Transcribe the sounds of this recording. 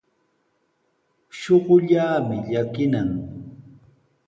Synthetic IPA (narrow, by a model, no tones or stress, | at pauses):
ʃoɢʊʎaːmɪʎakɪnaŋ